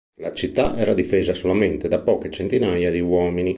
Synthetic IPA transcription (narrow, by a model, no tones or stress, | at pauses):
lat͡ʃit̪ːaʔɛːɾad̪ifeːzasolament̪ed̪apɔːket͡ʃent̪inajad̪iwɔːmini